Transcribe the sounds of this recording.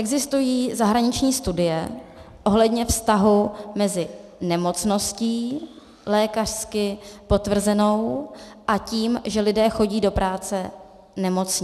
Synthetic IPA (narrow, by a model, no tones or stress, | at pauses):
ʔɛɡzɪst̪ujiːzaɦɾaɲɪt͡ʃɲiːst̪udɪjɛ | ʔo̞ɦlɛdɲɛfst̪aɦumɛzɪnɛmo̞t͡sno̞sciː | lɛːkar̥skɪpo̞t̪vr̩zɛno̞wʔaciːmʒɛlɪdɛːxo̞ɟiːdo̞pɾaːt͡sɛ | nɛmo̞t͡sɲɪ